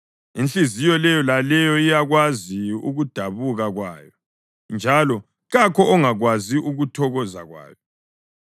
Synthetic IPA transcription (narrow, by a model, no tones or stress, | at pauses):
int͡ɬizijɔlɛjɔlalɛjɔijaɣwaziṵɣud̥ʱaβuɣaɣwa̰ːjɔ | nd͡ʒʱalɔ | ɣakʰɔʔɔŋaɣwaziʔuɣutʰɔɣɔza̰ɣwa̰ːjɔ